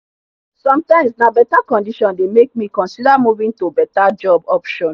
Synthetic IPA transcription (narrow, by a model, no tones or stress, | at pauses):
sɔ̃mtãɪ̃msnabɛtakɔ̃ndiʃɔ̃ndemek̚mikɔ̃nsidamuvĩŋtobɛtad͡ʒɔbɔpʃɔ̃n